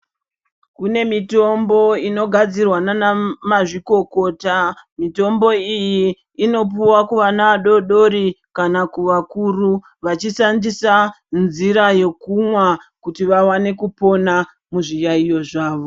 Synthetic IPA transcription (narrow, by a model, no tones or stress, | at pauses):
kune̞mito̞mbo̞ino̞ɡʱad͡zirwananamaʐiko̞ko̞ːtamito̞mbo̞ijiː | no̞p̬uwakuʋanaʋaɗo̞ɗo̞ɾi | kanakuʋakuru | ʋat͡ʃiʃandisa | nziɾaje̞kumwakutiʋawane̞kupo̞na | muʐijaijo̞ʐaːʋo̞